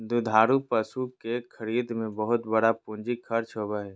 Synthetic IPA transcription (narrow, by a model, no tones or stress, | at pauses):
d̪ʊd̪ʱaːɾupəsukekʰəɾiːd̪mẽbəɦʊt̪bəɽapʊ̃nd͡ʒikʰɐɾt͡ʃɦoːbaɦɛː